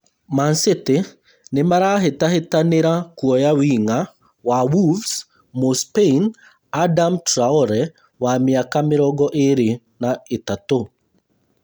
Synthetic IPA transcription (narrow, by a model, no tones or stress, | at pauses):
mansɪt̪ɪ | nɪmaɾaɦetaɦetanɪɾakwɔjawiŋa | wawuvs | mospein | adamtɾaoɾɛ | wamɪakamɪɾɔɡɔʔeɾɪ | naɪt̪ato